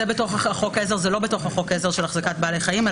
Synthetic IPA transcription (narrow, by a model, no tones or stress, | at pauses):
ebeto̞χhaaχo̞kezeʁzelo̞beto̞χhaχo̞kezeʁʃelaχzakat̚baːleχajime